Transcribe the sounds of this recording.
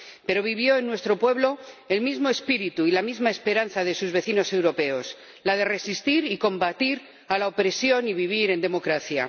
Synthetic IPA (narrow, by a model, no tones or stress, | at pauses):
pe̞ɾo̞β̞iβ̞jo̞e̞nːwe̞st̪ɾo̞pwe̞βlo̞e̞lmizmo̞espiɾit̪uilamizmae̞spe̞ɾan̟θaðe̞suzβe̞θino̞se̞wɾo̞pe̞o̞s | lað̞e̞re̞sist̪iɾiko̞mbat̪iɾ | alao̞pɾesjo̞niβiβ̞iɾe̞nd̪e̞mo̞kɾaθja̰